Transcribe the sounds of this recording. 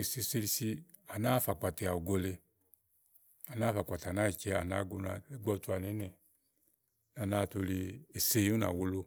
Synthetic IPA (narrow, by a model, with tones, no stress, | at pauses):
i˨si˧se˧li˧si˧ | a˨na˦fa˨k͡pa˨te˨a˨o˨ɡo˧le˧ | a˨na˦fa˨k͡pa˨ta˨na˦i˨t͡ʃɛ˧a˨na̰˨˦ɡo˧˦na˨e˦ɡ͡bɔ˧tu˦a˨ne˨˦nɛ˨ | na˨na˦˨to˧li˧e˨se˦u˦na̰˨wo˧lo˧